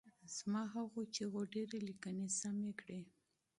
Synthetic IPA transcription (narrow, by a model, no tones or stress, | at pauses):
z̥mɑɦaɣot͡ʃeɣoɖeɾelikənesamekɽe